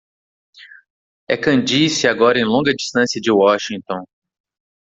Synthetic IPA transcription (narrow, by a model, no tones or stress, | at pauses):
ɛkɐ̃d͡ʒisɪaɡɔɾɐẽj̃lõɡɐd͡ʒist̪ɐ̃siɐd͡ʒɪwɔʃĩŋt̪õ